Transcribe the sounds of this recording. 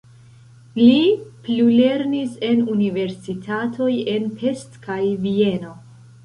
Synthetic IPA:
liplule̞ɾnise̞nunive̞ɾsitʰatʰo̞je̞npʰe̞stkajvie̞no̞

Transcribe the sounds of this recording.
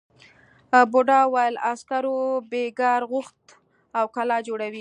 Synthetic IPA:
boɖɑwajlaskaɾobeɡɑɾɣʊxt̪ | awkalɑd͡ʒoɽawi

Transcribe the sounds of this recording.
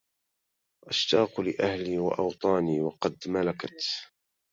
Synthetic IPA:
ʔaʃt̪ɑːqlɪʔahliːwa̰ʔɑwt̪ˤɑːniːwɑqɑd̪malakat̪

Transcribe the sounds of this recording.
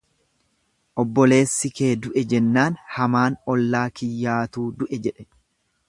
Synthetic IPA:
ʔɔbːɔle̞ːsːɪke̞ːd̪ʊʔɛd͡ʒɛnːaːnhɐmaːnɔlːaːkɪjːaːt̪uːd̪ʊʔɛd͡ʒɛᶑɛ

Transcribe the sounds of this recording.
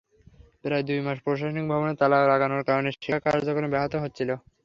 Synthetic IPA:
pɾaed̪ujmaʃpɾoʃ̬aʃonik̚bʱabonet̪alaoɾaɡanoɾkaɾoneɾʃikaɾd͡ʑokolebɛɦot̪oɦot̪ːt͡ɕʰilo

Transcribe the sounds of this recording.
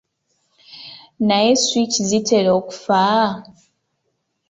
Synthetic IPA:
najeswit͡ʃizitʰeleoku̥fa

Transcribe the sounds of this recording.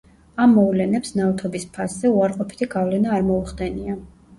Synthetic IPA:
amːɔvlɛnɛpsnavt̪ʰɔbispʰasz̥ɛuaɾqʼɔpʰi̥t̪ʰiɡavlɛnaːɾmɔuχd̪ɛnia

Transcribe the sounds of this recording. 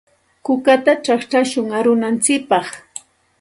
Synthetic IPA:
kʊkat̪at͡ʃaχt͡ʃaʃʊŋaɾʊnant͡sɪk̚pɑχ

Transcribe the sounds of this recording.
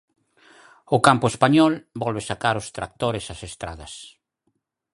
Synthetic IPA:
ʊkampʊespaɲɔlbɔlβesakaɾʊst̪ɾak̚t̪oɾesasest̪ɾa̰ð̞ɐs

